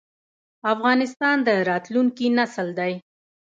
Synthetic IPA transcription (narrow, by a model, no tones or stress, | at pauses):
afɣɑnɪst̪ɑnd̪əɾɑt̪luŋkinasəld̪aj